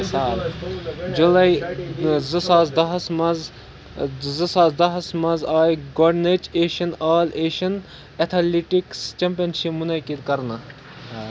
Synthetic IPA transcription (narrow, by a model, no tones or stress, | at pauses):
saːl | d͡ʒulɐj | zɨsaːzd̪ɐɦɐsmɐz | zɨsaːzd̪ɐɦɐsmɐzaːjɡoɖnet͡ʃeːʃɐnaːleːʃɐn | ɐt̪ʰɐliʈikst͡ʃɐmpijɐnʃipmunɐkid̪kɐɾnɐ